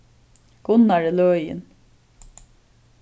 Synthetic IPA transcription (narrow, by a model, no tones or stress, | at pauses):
ɡ̥ʊnaɹɛløːjɪ̰n